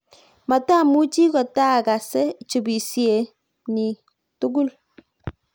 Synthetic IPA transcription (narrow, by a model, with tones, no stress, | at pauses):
ma˨ta˦˨mu˦t͡ʃi˦kɔ˨ta˦˨ka˨sɛ˦t͡ʃu˨bi˨sje˨ | ni˨ | tu˦ɡu˦l